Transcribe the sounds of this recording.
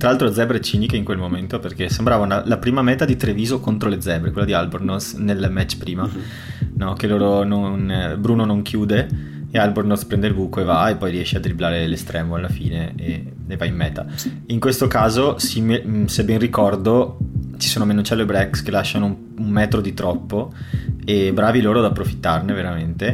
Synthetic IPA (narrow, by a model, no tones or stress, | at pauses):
t̪ɾalalt̪ɾod̪zːɛbɾet͡ʃiːnikeiŋkwelmoment̪operkesembɾaːvanalapɾiːmamɛːt̪ad̪it̪ɾeviːzokont̪ɾoled̪zɛbɾekwelːad̪ialbernosnelmɛt͡ʃːpɾiːma | nɔkeloːɾononbɾuːnonoŋkʰjuːd̪eː | albernospɾɛnd̪eilbuːkoevaepːɔjriɛʃːead̪ɾiblaːɾelest̪ɾɛːmoalːafḭːnee | evaimːɛːt̪a̰ | iŋkwest̪okaːzosimsebːɛnrikɔrd̪ot͡ʃi̥soːnomenot͡ʃɛlːoebɾɛkskelaʃːanou | ummɛːt̪ɾod̪it̪ɾɔpːoebɾaːviloːɾod̪apːɾofi̥t̪ːarneveɾament̪e